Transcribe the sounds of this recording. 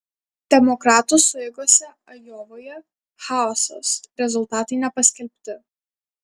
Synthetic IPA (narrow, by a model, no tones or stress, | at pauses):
d̪̥ʲɛmɔkɾɑːt̪ʊsʊɛɡoːsʲɛ | ɐjoːʋoːjɛ | xaˑɔso̰sɾʲɛzʊlˠt̪ɑːt̪ɐɪnʲɛpɐsʲkʲɛlʲpʲt̪ʲɪ